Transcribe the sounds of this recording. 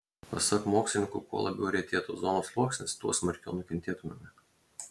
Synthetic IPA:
pɐsɐkmoːksʲlʲɪnʲɪ̃ŋkukṵɔlˠɐ̰bʲɛ̰ʊɾʲɛɪt̪ʲeːt̪uːzɔːnoːslˠuɔksʲnʲɪst̪uɔsmɐɾʲkʲo̰ʊnʊkʲɛnʲt̪ʲeːt̪ʊmʲomʲɪ

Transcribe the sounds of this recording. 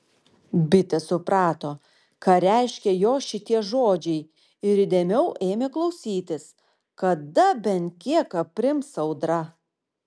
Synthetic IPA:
bʲɪt̪ʲɛsʊpɾɑːt̪oː | kɐɾʲæɪʃʲkʲɛjoːʃʲɪt̪ʲiɛʒoːd͡ʒʲɛɪ | ɪɾiːd̪ʲeːmʲɛʊʔeːmʲeːklˠɐʊsʲiːt̪ʲɪs | kɐd̪ɐbʲɛnt̪kʲiɛkɐpʲɾʲɪmsɐʊd̪ɾɐ

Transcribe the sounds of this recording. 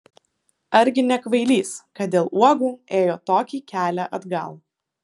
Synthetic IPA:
ɐɾʲɡʲɪnʲɛkʋɐɪlʲiːskɐt̪̚d̪ʲeːlˠuɔɡuːeːjoːt̪oːkʲiːkʲæːlʲæʔɐd̪ɡɐ̰lˠ

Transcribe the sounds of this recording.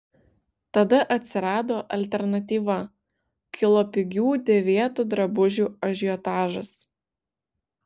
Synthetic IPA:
t̪ɐd̪ɐʔɐt̪ʲsʲɪɾɑːd̪oːʔɐlʲt̪ʲɛɾnɐt̪ʲiːʋɐ | kʲʰɪlˠopʲɪɡʲuːd̪ʲɛʋʲeɛt̪ud̪ɾɐbʊʒʲuːɐʒʲɪjɔt̪ɑːʒɐs

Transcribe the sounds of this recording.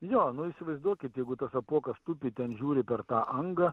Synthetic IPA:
joːnʊisʲɪʋɐɪzd̪uɔkʲɪt̪jɛɪɡʊt̪ɐsɐpuɔkɐst̪ʊpʲɪt̪ʲɛnʒʲuːɾʲɪpʲɛrt̪ɑːʔɐŋɡɐ

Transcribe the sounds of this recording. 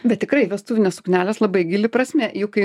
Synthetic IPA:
bʲɛt̪̚ʲtʲɪkɾɐɪʋʲɛst̪uːʋʲɪnʲeːsʊ̥knʲæːlʲeːslˠɐbɐɪɡʲɪlʲɪpɾɐsʲmʲɛjʊkɐɪ

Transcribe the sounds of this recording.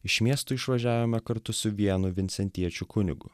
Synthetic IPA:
ɪʃmʲiɛst̪ʊɪʃʋɐʒʲæːʋʲoːmʲɛkɐɾt̪ʊsʊʋʲiɛnʊʋʲɪnʲt̪sʲɛnʲt̪ʲiɛt͡ʃʲʊkʊnʲɪ̰ɡʊ̰

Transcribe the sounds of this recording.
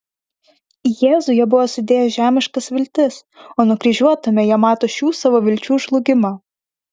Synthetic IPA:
jeːzʊjɛbʊʋoːsʊd̪ʲeːjɛʒʲæːmʲɪʃkɐsʋʲɪlʲt̪ʲɪs | oːnʊkɾʲiʒʲuɔt̪ʊmʲɛjiɛmɑːt̪oːʃʲuːsɑʋoːʋʲɪlʲt͡ʃʲuːʒlˠʊɡʲɪmɑ

